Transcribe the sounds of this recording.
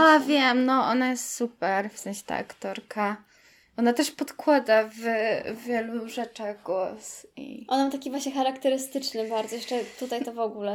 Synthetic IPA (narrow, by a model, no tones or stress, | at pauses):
avʲjɛmnɔʔɔnajɛst̪supɛɾfsɛ̃ñɕɛ̥t̪a̰ʔa̰kt̪ɔɾkʰa | ʔɔnat̪ɛʂpɔt̪kwad̪avvʲjɛluʐɛt͡ʂaɣɡwɔsḭʔɔnmat̪akʲivwaɕɲɛxaɾakt̪ɛɾɘst̪ɘt͡ʂnɘbaɾdzɔjɛʂt͡ʂɛt̪ut̪ajt̪ɔvɔɡulɛ